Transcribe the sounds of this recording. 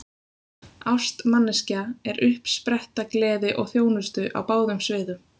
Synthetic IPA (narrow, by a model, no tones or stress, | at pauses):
awst̪manːɪscaɛɾʏhpspɾɛht̪aklɛːðɪʔɔɣθjoːwnʏst̪ʏʔa̰wpaːwðʏmsvɪːðʏm